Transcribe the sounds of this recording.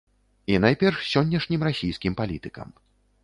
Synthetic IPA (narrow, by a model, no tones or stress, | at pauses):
inajpʲɛrʂsʲɔnʲːɐʂnʲimɾasʲijskʲimpalʲit̪ɨkɐ̰m